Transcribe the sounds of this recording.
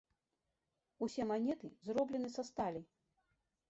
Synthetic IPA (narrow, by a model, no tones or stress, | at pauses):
usʲɛmanʲɛt̪ɨzrɔblʲɛnɨsast̪alʲi